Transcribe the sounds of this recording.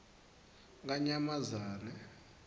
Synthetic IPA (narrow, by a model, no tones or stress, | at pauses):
ŋɡaɲamazaːrɛ